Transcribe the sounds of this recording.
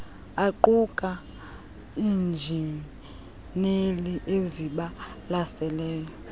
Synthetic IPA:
aǃukʼa | iːnd͡ʒʱim | neliʔeziɓa | lasɛlɛːjɔ

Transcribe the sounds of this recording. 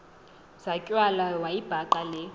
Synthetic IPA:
z̥akʼwalawaib̥ʱaǃalɪ

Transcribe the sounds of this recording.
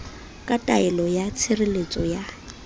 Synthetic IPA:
kʼatʼaɛlɔjat͡sʰɪrɪlet͡sʼɔja

